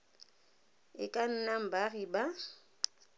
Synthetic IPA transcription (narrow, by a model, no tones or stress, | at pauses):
ɪkʼan̩nam̩bariba